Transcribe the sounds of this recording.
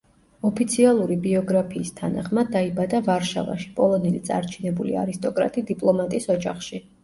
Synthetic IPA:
ɔpʰit̪sʰialˠuɾibiɔɡɾapʰiːst̪ʰanaχmad̪̚ːaibad̪avaɾʃa̰va̰ʃi̥pʼɔlˠɔnɛlit̪sʼa̰ɾt͡ʃʰinɛbulḭa̰ɾist̪ʼɔkʼɾa̰t̪ʼid̪ipʼlˠɔmat̪ʼisɔd͡ʒa̰χʃi

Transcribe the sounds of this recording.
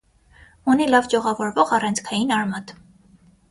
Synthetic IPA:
unilɑvd͡ʒɔʁɑvɔɾvɔʁɑrɑnt͡sʰkʰɑjinɑɾmɑt̪

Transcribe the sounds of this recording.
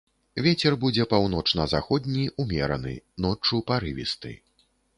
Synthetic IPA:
vʲet͡sʲɛrbud͡zʲɛpawn̪ɔt͡ʂnɐzaxɔd̪̚ʲnʲiumʲɛɾɐnɨ̰nɔt͡ʂupaɾɨvʲḭst̪ɨ̰

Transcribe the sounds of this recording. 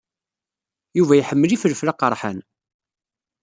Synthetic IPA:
juvæjħəmːəlifəlflaqəɾˤħə̰n

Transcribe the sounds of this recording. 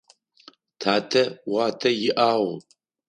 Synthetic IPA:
tʰaːtʰɐwaːtʰɐjɪʔaːʁ

